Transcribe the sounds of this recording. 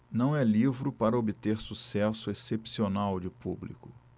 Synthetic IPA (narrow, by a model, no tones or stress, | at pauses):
nɐ̃w̃ɛlivɾʊpaɾɐobɪt̪eɾsusɛsʊesepsionawd͡ʒɪpublḭkʊ